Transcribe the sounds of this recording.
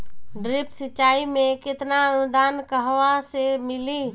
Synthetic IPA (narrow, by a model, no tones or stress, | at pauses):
ɖɾɪpsət͡ʃːaːimẽkɪt̪naənʊd̪ʱaːnkəɦʋasemɪliː